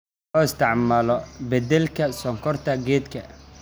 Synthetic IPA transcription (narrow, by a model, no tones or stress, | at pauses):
ɔɪst̪ʰɪʕmaːlɔbɛd̪ɛlkʰɐsɔŋkʰɔrt̪ʰɐɡɛːd̪kʰɐ